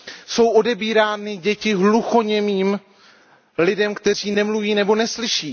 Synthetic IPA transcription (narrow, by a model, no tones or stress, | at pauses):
so̞wʔo̞dɛbiːɾaːnɪɟɛcɪɦluxo̞ɲɛmiːm | lɪdɛmkt̪ɛr̝iːnɛmluviːnɛbo̞nɛslɪʃiː